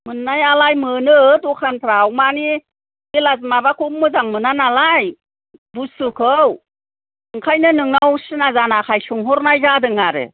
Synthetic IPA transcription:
mɯnːajalajmɯnɯtukʰanpʰɾawmani | ilaz̬mabakʰumɯzaŋmɯnanalaj | busɯkʰɯw | ɯŋkʰajnɯnɯŋnawsɯnazanakʰajsuŋɦɔɾnajzadɯŋaɾɯ̰

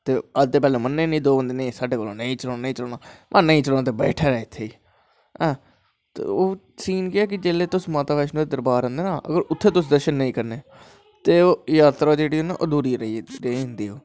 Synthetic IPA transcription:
t̪eːəd͡ʒd̪eːpɛːlõːmənːẽːnĩːd̪oːbənd̪eːnĩːsaːɖeːkolːõːnəĩːt͡ʃəlõːnːnəĩːt͡ʃəloːnaːmʔãːnəĩːt͡ʃəloːnaːt̪eːbɛːʈʰaːɾɛːɪt̪ʰːeːiː | ɛ̃ː | t̪ḛːoː | siːnkɪɛːk̬ɪd͡ʒeːleːt̪ʊsmaːt̪aːbɛːʃnũːd̪eːd̪əɾbaːɾə̃ːnd̪eːnaːʔə̰ɡəɾʊt̪ʰːeːt̪ʊs̬d̪əɾʃənːəĩːkəɾneː | t̪eːoːjaːt̪ɾaːd͡ʒeːɽiːɦoːnaːʔoːd̪uːɾiːɾɾəiːɦʊ̃nd̪iːɦoː

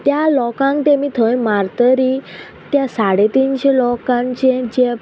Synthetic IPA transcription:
t̪jalɔkãŋk̚t̪emit̪ʰə̃jmaɾt̪əɾi | t̪jasaɽet̪inɕelɔkãnt͡ɕẽd͡ʑe

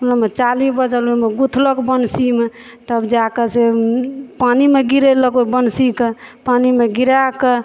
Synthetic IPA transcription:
ulamet͡ʃalisbəd͡ʒəlemeɡut̪ʰləkbənsime | t̪əbd͡ʒakəse | panimeɡiɾeləkobənsikepanimeɡiɾake

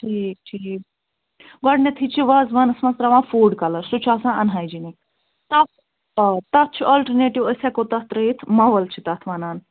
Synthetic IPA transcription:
ʈʰiːk̚ʈʰiː | ɡɔɽnʲɐt̪ʰit͡ʃʰiʋɐzʋɐnɐsmɐst̪ɾaʋãːfuɖkɐləɾsut͡ʃʰaːsãɐnɦajd͡ʒini | t̪at | t̪at̪̚t͡ʃʰiʔɔlʈəɾneʈiʋəsʲakot̪at̪ɾəit̪ʰmɐʋɐlt͡ʃʰit̪at̪ʰʋɐnaːn

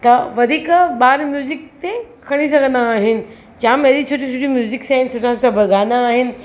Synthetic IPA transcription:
t̪ɐʋɐd̪ʱiːkɓaːɾmjuːzɪk̚t̪e | kʰɐɽ̃isɐɡʱə̃nd̪aːɦɪnɪ̆ | t͡ɕaːmed̪it͡ɕʰoːʈʰit͡ɕʰoːʈimjuːzɪksaːɦɪnsoːʈʰasoʈʰabʱɐɡaːnaːɦɪnɪ̆

